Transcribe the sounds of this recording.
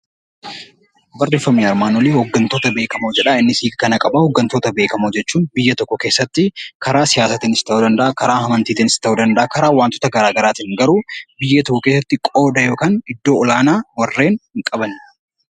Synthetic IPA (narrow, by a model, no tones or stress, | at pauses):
bɐrːeːfːɐmniːɐɾmaːnolehɔɡːɐnt̪oːt̪ɐbe̞ːkɐmod͡ʒɛᶑɐɪnːɪsiːkkɐnɐkʼɐbɐhɔɡːɐnt̪oːt̪ɐbeːkɐmoːd͡ʒɛt͡ʃːuːnbɪjːɐt̪ɔkːɔke̞ːsːɐt̪ːɪkɐɾaːsɪjaːsɐt̪inɪst̪ɐʔud̪ɐnd̪ɐʔɐkɐɾaːhɐmɐnt̪iːt̪inɪst̪ɐʔuːd̪ɐnd̪ɐʔɐkɐɾaːwaːnt̪ʊ̥t̪ɐɡɐɾaːɡɐɾaːt̪iːŋɡɐɾuːbɪjːɐt̪ɔkːɔke̞ːsːɐt̪ːɪkʼoːd̪ɐjo̞ːkaːnɪd̪ːo̞ːɔlaːnaːwɐrːe̞ːnhɪŋkʼɐbɐn